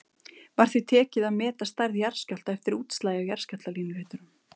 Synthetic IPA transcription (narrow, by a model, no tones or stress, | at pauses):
vaɾ̥θit̪ʰɛːcɪðaðmɛːt̪ast̪ajɾðjaɾ̥scal̥t̪aɛft̪ɪɾuːt̪st̪laːjajaɾ̥scat̪laliːnɪvɛːt̪ʏɾʏm